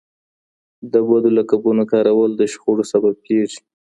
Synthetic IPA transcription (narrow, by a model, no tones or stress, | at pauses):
d̪əbad̪olakabunakɑɾawəld̪əʃxoɽosabab̚peʐ